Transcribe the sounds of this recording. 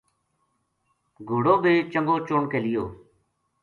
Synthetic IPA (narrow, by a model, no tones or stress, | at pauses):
ɡʱʊːɽoːbʱeːt͡ʃəŋɡoːt͡ʃoːɳkeːlɪjoː